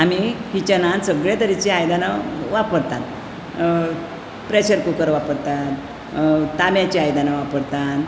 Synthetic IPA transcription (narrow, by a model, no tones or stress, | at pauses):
amikit͡ɕənansəɡɭjet̪əɾit͡ɕiajd̪anaʋapəɾt̪at̪ | pɾeɕəɾkukəɾʋapəɾt̪at̪ | t̪amjat͡ɕiajd̪anaʋapəɽt̪at̪